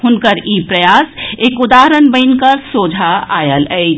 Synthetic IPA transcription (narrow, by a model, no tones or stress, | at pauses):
ɦʊnkəɾipɾəjasekud̪aɦɾənbə̃ɪnkəɾsod͡ʒʱaajələɪ